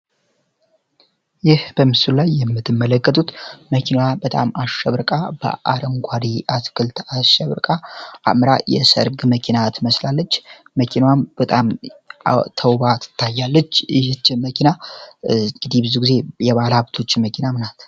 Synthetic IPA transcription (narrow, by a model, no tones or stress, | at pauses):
jɪhb̥əmɨsullajːɛmːɨt̪ːɨmːələkːət̪ʼut̪məkʰinwabət̪ʼa̰maʃɛβɾkʼab̥ə̰ʔa̰ɾəŋɡʷaɾiʔaskʰɨlt̪ʰaʃɛβɾkʼaʔa̰mɾajɛ̰sə̰ɾɡməkʰinat̪ʰɨməslalːət͡ʃː | məkʰinawambət̪ʼam | t̪ʰəwβat̪ʰɨ̥t̪ʰːajːalːət͡ʃːɪht͡ʃːməkʰina | ɡɨd̪ibɨzuɡize̞jɛβalaβt̪ʰo̞t͡ʃːməkʰinamɨnat̪